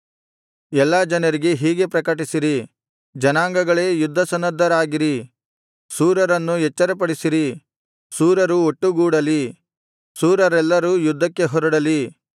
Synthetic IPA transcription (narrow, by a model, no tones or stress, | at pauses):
ɛlːaːd͡ʒɐnɐɾiɡe̞ɦiːɡe̞pɾɐkɐʈ̬isiɾi | d͡ʒɐnaːŋɡɐɡɐɭe̞ːjud̪ʱːɐsɐnɐd̪ʱːɐɾaːɡiɾi | suːɾɐɾɐnːujɛt͡ʃːɐɾɐpɐɽisiɾi | suːɾɐɾuoʈːuɡuːɽɐli | suːɾɐɾɛlːɐɾuːjud̪ʱːɐkːe̞ɦɔɾɐɽɐli